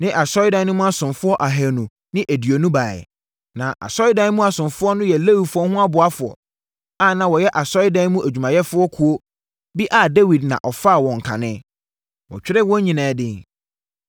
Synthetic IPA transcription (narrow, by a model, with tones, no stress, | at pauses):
nɪ̃˦ʔa˨sɔ˦ɪ˦dã˨˦nʊ̃˦mũ˦a˦sʊ̃˨nfʊ˦ɔ˦ʔa˨ɦɛ˨nũ˨ | nɪ̃˦ʔæ˨di˨o˨nũ˦baː˨ɛ̰˨ | nã˨ʔa̰˨sɔ˦ɪ˦dã˦n˦mũ˦a˨sʊ̃˨nfʊ˦ɔ˦nʊ̃˦jɛ˨le˦wi˨fʊ˦ɔ˦hʊ̃˦a˦bʊ˨a˦fʊ˨ɔ̰˨ | a˦˨nã˨wɔ˨jɛ˦ʔa˨sɔ˦ɪ˦dã˦n˦mũ˦ʔæ˨d͡ʑᶣu˨mã˨jɛ˦fʊ˦ɔ˦kʰu˨o˦ | bi˦ʔa˨de˦wi˨dnã̰˨ʔɔ˨fa˦˨wɔ̃˨ŋ̩˨kʰã̰˨nɪ̃˦ | wɔ̰˨t͡ɕᶣɪ˦ɾɪ˦wɔ̃˦ɲĩ˨nãː˨˦dɪ̃˦˨ŋ